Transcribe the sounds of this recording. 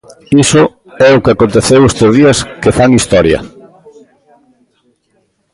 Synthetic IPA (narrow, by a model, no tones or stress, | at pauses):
isʊ | ɛʊkeakont̪eθewest̪ozð̞iɐskefaŋist̪ɔɾjɐ̰